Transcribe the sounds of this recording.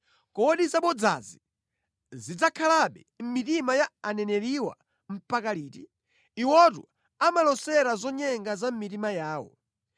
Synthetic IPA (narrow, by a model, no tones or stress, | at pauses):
kɔɗizaɓɔd͡za̰zi | zid͡zakʰalaɓɛ | m̩mitimajaanɛnɛɾiwa̰ | m̩pakaliːti | iwɔt̬ṵ | amalɔsɛɾazɔɲɛŋɡazam̩mitimajaːwɔ̰